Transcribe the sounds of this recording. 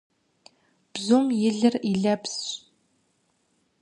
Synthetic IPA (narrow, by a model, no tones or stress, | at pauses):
b̥zoːmjɪɮɨriɮɐps